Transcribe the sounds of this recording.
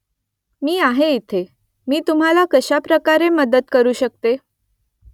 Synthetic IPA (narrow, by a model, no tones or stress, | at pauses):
miːaɦeit̪ʰe | miːt̪um̤alakəɕapɾəkaɾeməd̪ət̪kəɾuːɕək̚t̪e